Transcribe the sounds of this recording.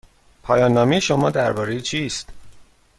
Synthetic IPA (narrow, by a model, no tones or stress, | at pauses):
pʰɒːjɒːnːɒːmejeʃo̞mɒːd̪æɾbɒːɾejit͡ʃʰiːst̪